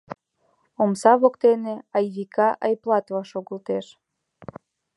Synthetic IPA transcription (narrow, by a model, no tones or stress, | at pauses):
omsɑβokt̪eneɑjβikʰɑʔɑjplˠɑt̪vɑʃoɣə̆lt̪eʃ